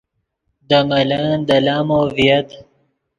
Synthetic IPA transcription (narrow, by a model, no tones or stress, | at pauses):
d̪əmɐland̪əlaːmoːvijɐt̪